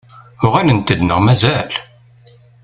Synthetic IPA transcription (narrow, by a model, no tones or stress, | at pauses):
ʊʁælənt̪əd̪nəʁmæzæl